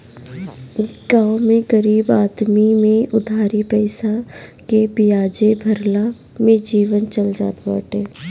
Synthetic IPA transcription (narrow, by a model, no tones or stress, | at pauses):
ɡãːmẽɡəɾiːbaːd̪mimẽʊd̪ʱaːɾipɛːsakebijaːd͡ʒebʱɐɾla | mẽd͡ʒiːʋənt͡ʃəld͡ʒa̰ːt̪ba̰ːʈeː